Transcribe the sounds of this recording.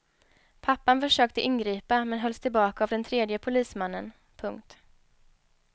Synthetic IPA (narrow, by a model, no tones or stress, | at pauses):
pʰapːanfœʂøːk̚t̪əʔɪnːɡɾiːpamɛnɦœlst̪ʰɪlbɑːkaːvd̪ɛnt̪ʰɾeːd̪jəpʰʊliːsmanːən | pʰɵŋk̚t̪